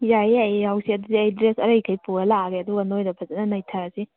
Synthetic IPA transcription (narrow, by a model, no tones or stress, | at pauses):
jajɐjhawsiɐdudiajdɾesɐɾɐjkʰajpuɡɐlaɡeɐduɡɐnojdɐbʰɐzɐnɐnɐjtʰaɾɐsi